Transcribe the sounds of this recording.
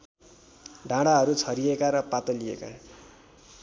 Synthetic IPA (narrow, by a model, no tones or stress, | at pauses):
ɖʱãɽaɦʌɾut͡sʰʌɾiekaɾʌpat̪ʌliḛka̰